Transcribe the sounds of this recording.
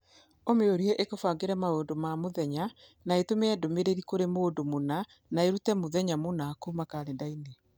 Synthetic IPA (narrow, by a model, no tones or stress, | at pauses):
omeoɾiɛʔekofaŋɡeɾɛmaondomamoðɛɲa | naetomeɛdomeɾeɾikoɾemoːndomona | naeɾutɛmoðɛɲamonakumakaɾendaine